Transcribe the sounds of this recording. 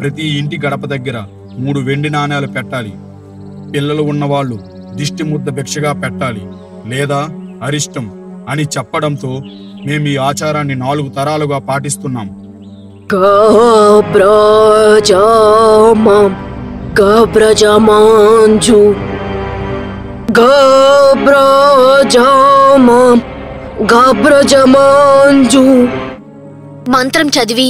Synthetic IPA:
pɾɐt̪̬iːɳʈiɡɐɽɐpɐd̪ɐɡːɐɾɐ | muːɽuʋe̞ɳɖinaːnjaːlupɛʈːaːlḭ | pilːɐluunːɐʋaːɭːu | d̪iʂʈimud̪ːɐbʱɛkʂɐɡaːpɛʈːaːlḭ | lɛːd̪aːɐɾiʂʈɐm | ɐnit͡ʃɛpːɐɽɐnt̪o̞ː | me̞ːmiːaːt͡ʃaːɾaːnːinaːluɡut̪ɐɾaːluɡaːpaːʈist̪unːaːm | ɡɐ | bɾɐ | d͡ʒa | ma | ɡɐbɾɐd͡ʒɐmand͡ʒu | ɡɐ | bɾɐd͡ʒama | ɡabɾɐd͡ʒɐmand͡ʒu | mɐnt̪ɾɐmt͡ʃɐd̪ʋi

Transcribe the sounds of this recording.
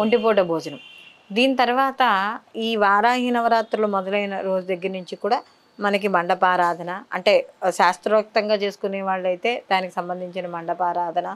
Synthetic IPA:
uɳɖip̬oːʈɐbʱoːd͡ʒɐnɐm | d̪iːnit̪ɐɾuʋaːt̪ɐiːʋaːɾaːɦiːnɐʋɐɾaːt̪ɾɐlumɔd̪ɐlɐjnɐɾo̞ːd͡ʒud̪ɐɡːɐɾnuɲt͡ʃikuːɽaː | mɐnɐk̬imɐɳɖɐpaːɾaːd̪ʱɐnɐɐɳʈe̞ːʃaːst̪ɾɐʋɐk̚t̪ɐŋɡaːt͡ʃe̞ːsu̥kuneːʋaːɭːɐjt̪e̞ːd̪aːniki̥sɐmbɐnd̪ʱiɲt͡ʃinɐmɐɳɖɐpaːɾaːd̪ʱɐnɐ

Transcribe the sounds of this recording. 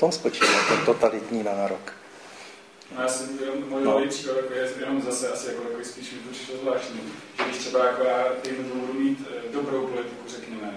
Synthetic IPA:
t̪omspot͡ʃivat̪ɛnt̪ot̪alɪt̪ɲiːnaːɾok | nojaːsɛmjɛnommojnolejpriːkat̪jakojɛjɛno̞mzasɛasɪjakoakovɪspiːʃmɪp̪ut͡ʃɪ̥ʃozvlaːʃt̪ɲiːʒɛɡdɪʃt̪sɛbajakojaːɛmɛzubudumiːt̪do̞bɾo̞wpo̞lɪt̪ɪkurɛkɲɛmɛ

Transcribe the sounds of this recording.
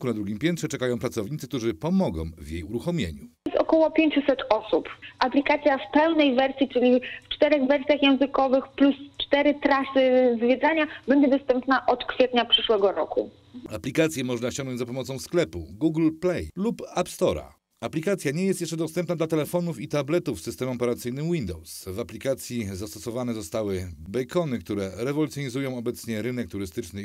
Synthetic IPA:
kunad̪ɾuɡʲimpʲjɛnt̪ʂɛt͡ʂɛkajɔ̃pɾat̪sɔvɲit̪sɘkt̪uʐɘpɔmɔɡɔ̰̃w̃vjḛjuɾuxɔmʲjḛɲusɔkɔwɔpʲjeɲt͡ɕusɛt̪ɔsupʔaplʲikat̪sʲjafpɛwnɛjvɛɾsʲjit͡ʂɘlʲift͡ʂt̪ɛɾɛɣvɛɾsʲjaxjɛ̃w̃zɘkɔvɘxplust͡ʂt̪ɛɾɘt̪ɾasɘzvʲjɛd̪zaɲabɛɲd͡ʑɛd̪ɔst̪ɛmpnaʔɔt̪kfʲjɛt̪ɲapʂɘʂwɛɡɔɾɔ̰kṵ | aplʲikat̪sʲjɛmɔʐnaɕɔŋɡnɔ̃ɲd͡ʑ̪ʲzapɔmɔt̪sɔ̃w̃sklɛpṵɡuɡlplɛjlupapst̪ɔɾa̰ | aplʲikat̪sʲjaɲɛjɛst̪jɛʂt͡ʂɛd̪ɔst̪ɛmpnad̪lat̪ɛlɛfɔnufit̪ablɛt̪ufsɘst̪ɛmɔpɛɾat̪sɘjnɘmwind̪ɔwsvaplʲikat̪sʲjizast̪ɔsɔvanɛzɔst̪awɘbɛjkɔnɘkt̪uɾɛɾɛvɔlut̪ʲjɔɲizujɔ̃w̃ɔbɛt̪sɲɛɾɘnɛk̚t̪uɾɘst̪ɘt͡ʂnɘ

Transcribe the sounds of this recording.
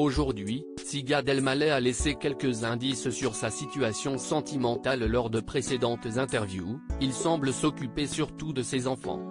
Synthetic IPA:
oʒuʁd̪ɥi | siɡaʁd̪ɛlmalɛalesekʲɛlkʲəzɛ̃d̪issyʁsasit̪yasjɔ̃sɑ̃t̪imɑ̃t̪allɔʁd̪əpχesed̪ɑ̃t̪zɛ̃t̪ɛʁvjṵilsɑ̃bləsɔkʲypesyʁt̪ud̪əsezɑ̃fɑ̰̃

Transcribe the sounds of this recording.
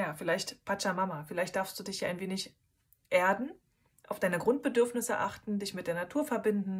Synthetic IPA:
jaːfɪlaɪçtpʰat͡ʃamamafɪlaɪçtd̥aːɐfstd̥uːdɪçjaːʔaɪnveːnɪç | ʔeːɐdn̩ | ʔaʊfd̥aɪnəɡʁʊnt̚b̥ədʏɐfnɪsə̰ʔa̰χtn̩dɪçmɪt̚d̥eːɐnatʰuːɐfɛɐbɪndn̩

